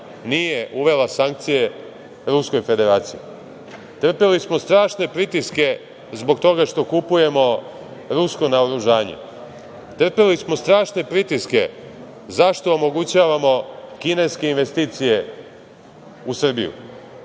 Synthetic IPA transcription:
nijeʔuʋe̞lasaŋk̚t̪sije̞ | ɾusko̞jfe̞d̪e̞ɾaːt̪sijḛ | t̪r̩pelismo̞st̪ɾaːʃne̞pɾit̪iske̞ | zbo̞kt̪o̞ɡaʃt̪o̞kupuje̞mo̞ | ɾusko̞naoɾuʒaːɲḛ | t̪r̩pelismo̞st̪ɾaːʃne̞pɾit̪iske̞̰ | zaʃt̪o̞ːmo̞ɡut͡ɕaːʋamo̞kine̞jske̞inʋe̞st̪iːt̪sije̞ | usr̩bḭjṵ

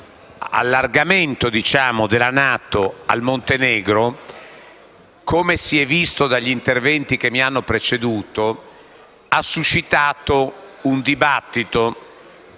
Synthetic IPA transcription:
a̰lːarɡament̪od̪it͡ʃaːmod̪elanaːt̪oa̰lmont̪enɛːɡɾo | kʰomesiɛvist̪od̪aʎːint̪ervɛnt̪ik̟emːianːopɾet͡ʃed̪uːt̪o | asːut͡ʃːit̪aːt̪ound̪ibat̪ːit̪o

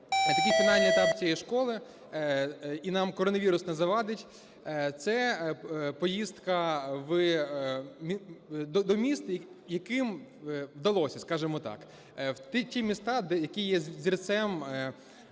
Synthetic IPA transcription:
t̪ɐkʲijfʲinɑlʲnijɛt̪ɑpt͡sʲijɛjʃkɔlˠɪ | inɑmkɔɾɔnɐʋʲiɾʊsnɛzɐʋɑd̪ɪtʲ | t̪sɛ | pɔjist̪kɐʋ | id̪ɔd̪ɔmʲist̪jɐkɪmʋd̪ɐlˠɔsʲɐskɑʒemɔt̪ɑ̰k | t̪tʲimʲist̪ɑd̪ɛjɐkijɛzʲirt̪sɛm

